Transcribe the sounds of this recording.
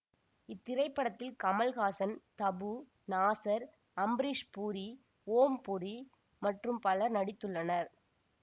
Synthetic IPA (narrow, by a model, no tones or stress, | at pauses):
ɪt̪ːɪɾɐɪpːɐɽɐt̪ːɪlkɐmɐlɣaːsɐnt̪ɐbu | naːsɐɾ | ɐmbɾiʂpuːɾi | oːmpʊɾi | mɐʈrɯmpɐlɐɾnɐɽɪt̪ːɯɭːɐnɐɾ